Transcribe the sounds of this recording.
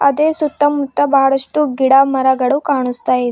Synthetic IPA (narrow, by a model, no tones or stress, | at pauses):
ɐ̰d̪esut̪ːəmut̪ːabaɽəʂʈuːɡiɽamɐɾaɡɐɽukaɳ̃ust̪aje